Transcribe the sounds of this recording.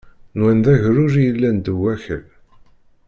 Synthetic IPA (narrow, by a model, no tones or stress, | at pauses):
nwænðæʝɾʊɾijəlːænd̪əwæçə̰l